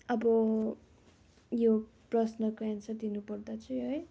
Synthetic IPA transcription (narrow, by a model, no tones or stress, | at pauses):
ʌbʌ | jo | prʌsnʌkoansʌd̪inupʌrd̪at͡sʰʌj̃ɦʌj